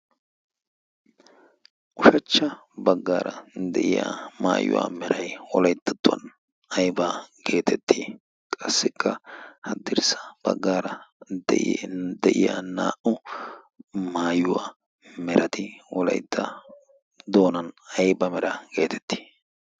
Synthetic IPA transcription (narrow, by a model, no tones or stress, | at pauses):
ʔʊʃɐt͡ʃːɐbɐɡːaːɾɐd̪ɛʔɪja̰ma̰ːjʊ̰wa̰ːmɛɾɐjwɔ̰lɐjd̪ːɐt̪ːʊɐ̰n | ɐjbaːɡe̞ːt̪ʰɛt̪ːiː | kʼɐsːɪkʰːɐhɐd̪ɪɾsɐ̥b̥ɐɡːaːɾɐd̪d̪ɛʔɪja̰na̰ːʔʊ | maːjʊwa̰ː | mɛɾʔɐt̪ɪwɔlɐ̰jd̪ːɐ | d̪o̞ːnɐnɐjbɐmɛɾɐɡe̞ːt̪ʰɛ̥t̪ːi̥ː